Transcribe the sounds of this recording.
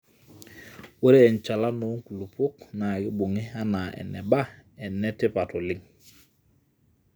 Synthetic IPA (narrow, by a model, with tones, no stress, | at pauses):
wo˦ɾe˦ɛ˨nt͡ʃa˨la˦nu˨˦ŋku˨lu˨pu˦kna˨ɡi˦bu˨ŋi˦a˦na˨ʔɛ̰˨nɛ̰˨ba˦ɛ˨nːɛ˦ti˦pa˨to˨li˦ŋ